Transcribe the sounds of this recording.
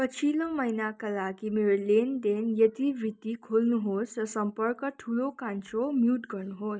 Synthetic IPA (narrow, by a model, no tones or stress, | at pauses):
pʌt͡sʰilʌ̃mʌjnakalaɡimeɾolend̪enjʌt̪ibit̪ikʰolnuɦosrʌsʌmpʌrkəʈʰulokant͡somjuʈɡʌɾnuɦos